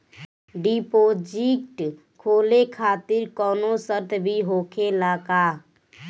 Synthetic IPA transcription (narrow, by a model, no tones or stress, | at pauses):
ɖipoːd͡ʒik̚ʈ | kʰoːlekʰaːt̪ɪɾkɔːnosəɾt̪ʰbʱiɦoːkʰelaːka